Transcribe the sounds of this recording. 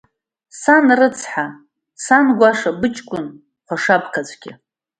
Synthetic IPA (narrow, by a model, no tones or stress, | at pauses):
sanrɨt͡sʰħa | sanɡʷaʂabɨt͡ʃʼkʷʼʊn | χʷaʂapʰkʰat͡sʷʼɡʲɪ̰